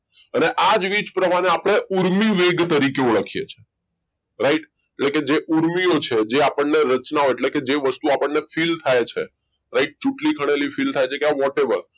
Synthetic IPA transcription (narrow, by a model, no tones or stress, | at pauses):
əneʔad͡ʒʋit͡ʃpɾəmaɽeapɽ̃eʔuɾmiʋeɡt̪əɾikeuɭəkʰijḛt͡ʃʰe̥ | ɾaɪʈ | eʈleked͡ʒeʔuɾmiot͡ʃʰed͡ʒeapəɳneɾət͡ʃnaoeʈleked͡ʒeʋəst̪uapəɳnefilt̪ʰajt͡ʃʰe | ɾaɪʈ̚t͡ʃuʈlikʰəɽ̃elifilt̪ʰajt͡ʃʰekeaʋɔʈeʋəɾ